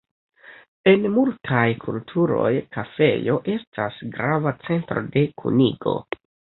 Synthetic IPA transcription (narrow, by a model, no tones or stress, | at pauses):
e̞nmultʰajkʰultʰuɾo̞̰jkafe̞̰jo̞ʔe̞stasɡɾavat͡se̞ntɾo̞̰de̞kʰṵniɡo̞̰